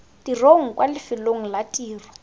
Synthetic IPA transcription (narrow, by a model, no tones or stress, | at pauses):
tiroŋ̩kwalɪfɪloŋ̩latʼiːrɔ̥